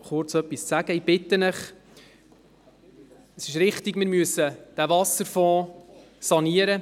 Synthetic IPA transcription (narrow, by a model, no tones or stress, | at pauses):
χʊɾt͡sœpːist͡sæɡəib̥ɪt̪ənəχ | əsɪʃɾɪχtiɡmɪɾmyəsəd̥ævɑsəɾfɔ̃ː | sɑniəɾə